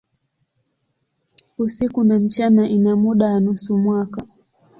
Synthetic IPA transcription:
usikunam̩t͡ʃanaʔinamuɗaanusumwaka

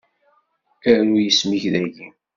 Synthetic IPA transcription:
æɾujəsmiçðæʝin

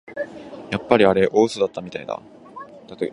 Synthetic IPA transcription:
japːaɾʲiaɾe̞ʔo̞ːɯsɨd̪at̪ːamʲit̪aid̪a̰ | t̪at̪o

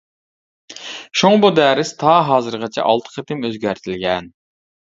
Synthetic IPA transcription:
ʃoŋbod̪æːɾɪst̪ʰɑɦɑːzɨɾʁɑt͡ʃʰɛ̰ʔɑlˠt̪ʰə̥qʰət̪ʰɪmøzɡʲæɾt̪ʰɪlɡʲɛn

